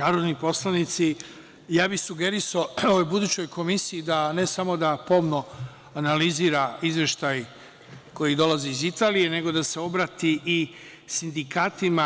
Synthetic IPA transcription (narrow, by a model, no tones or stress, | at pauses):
naːɾod̪nipo̞slˠanit̪si | jaːbisuɡe̞ɾisaooʋojbud̪uːt͡ɕo̞jkʰo̞misijid̪ane̞samo̞d̪apo̞mno̞ | analiziɾaizʋje̞ʃt̪aj | ko̞jid̪o̞laziizit̪aːlije̞ne̞ɡo̞d̪ase̞o̞bɾaːt̪iʔi | sind̪ikaːt̪ima